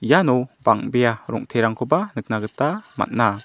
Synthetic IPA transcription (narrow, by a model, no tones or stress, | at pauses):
ijanɔbaŋbejaɾɔ̰ŋtʰeɾaŋkʰɔbanɯk̚naɡɯtama̰t̚na